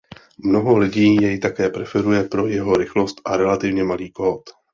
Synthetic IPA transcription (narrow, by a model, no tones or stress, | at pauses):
mno̞ɦo̞lɪɟiːjɛjt̪akɛːpɾɛfɛɾujɛpɾo̞jɛɦo̞ɾɪxlo̞st̪ʔaɾɛlat̪ɪvɲɛmaliːkoːt̪